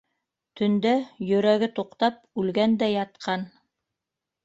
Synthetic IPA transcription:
t̪ɵ̆nd̪æjɵ̆ɾæɡɘt̪uqt̪ɑp̚ʉlɡænd̪æjɑt̪̚qɑn

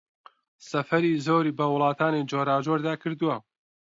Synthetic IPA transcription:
sɐfɐɾiːzoːɾiːbɐwʊlˠɑːt̪ʰaːnid͡ʒoːɾaːd͡ʒoːɾd̪aːkʰɨɾd̪uwɐ

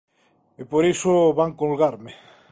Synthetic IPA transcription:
epoɾisoβaŋkolɣaɾme

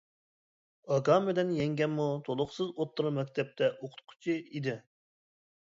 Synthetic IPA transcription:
ɑɡɑmɪlɛnjɛŋɡʲɛnmut̪ʰolˠʊχsɨzot̪ːuɾumɛkʲt̪ʰɛp̚t̪ʰɛʔoqʰʊ̥t̪̚qʰʊ̥t͡ʃʰiid̪ɪ

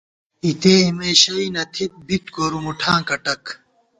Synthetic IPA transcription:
it̪eimeːɕɐinɐt̪ʰit̪̚bit̪ɡoɾumuʈʰãːkɐʈɐk

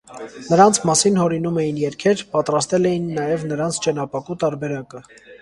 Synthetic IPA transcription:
nəɾɑnt͡sʰmɑsinhɔɾinumɛjinjɛɾkʰɛɾpɑt̪ɾɑst̪ɛlɛjinːɑjɛvnəɾɑnt͡sʰt͡ʃənɑpɑkut̪ɑɾbɛɾɑkə

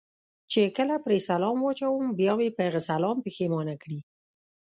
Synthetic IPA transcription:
t͡ʃekəlapɾesalɑmwɑt͡ʃawəmbjɑwepəhaɣasalɑmpexemɑnakɽi

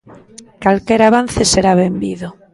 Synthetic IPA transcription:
kalkeɾaβ̞an̟θeseɾaβembiðo

